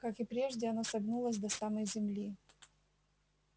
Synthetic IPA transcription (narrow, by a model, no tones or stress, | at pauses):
kakɪpɾʲe̞ʐdʲɪɐnosɐbnulˠəsʲd̪ɐsaməjzʲɪmlʲi